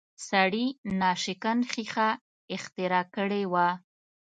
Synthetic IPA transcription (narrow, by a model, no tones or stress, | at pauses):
saɽinɑʃɪkanxixa | ɪxt̪ɪɾɑkəɽewa